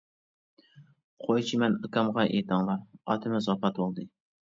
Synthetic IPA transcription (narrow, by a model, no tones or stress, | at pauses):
qʰojt͡ʃʰimɛnɨkɑmʁɑʔḛt̪ʰɑŋlˠɑɾɑ̰t̪ʰɪmɪzɑpɑt̪bolˠd̪ɨ